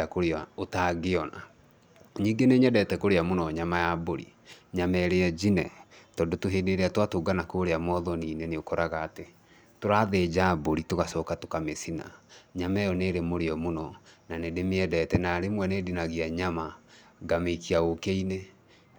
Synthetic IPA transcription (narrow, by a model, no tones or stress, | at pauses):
akoɾeaotaɡeɔna̰ | ɲiːŋɡeneɲɛdɛtɛkoɾeamonɔɲamajaboɾḭ | ɲamɛɾeɛd͡ʒinɛ̰tɔndotoɦedeɾeatwatoːɡanakoɾeamɔðɔniːneneokɔɾaɣaːte | toɾaːðed͡ʒaboɾitoɣasɔkatokamesina̰ɲamɛjɔneːɾemoɾeɔmonɔnanedemeɛdɛtɛnaɾemwɛnedinaɣiaɲama | ɡameikiaokeine